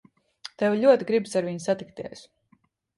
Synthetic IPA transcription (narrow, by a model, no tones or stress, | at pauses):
t̪ɛwʎʲuɔt̪iɡɾibsaɾviɲsat̪ikt̪iɛs